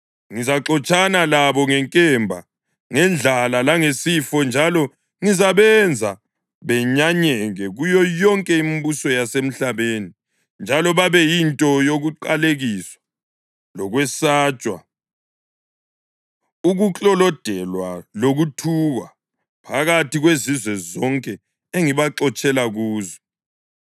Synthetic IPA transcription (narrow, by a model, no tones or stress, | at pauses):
ŋizaǁɔt͡ʃʼanalaβɔŋɛŋkʼɛmbʱa̰ | ŋɛnd͡ɮʱalalaŋesifɔnd͡ʒʱalɔ | ŋizaβɛnd͡zʱa̰ | βɛɲaɲɛɣɛɣujɔjɔŋkʼɛimibusɔjasem̩ɬaβeːni | nd͡ʒʱalɔβaβɛjintʼɔjoɣuǃaleɣiswḁ | lɔɣwɛsaːt͡ʃʼwa̰ | uɣut͡ɬʼɔlɔd̥ʱɛlwa̰loɣutʰuɣa̰ | pʰaɣatiɣwezizwɛzɔŋkʼɛ | eŋiβaǁɔt͡ʃʼɛlaɣuːzɔ̥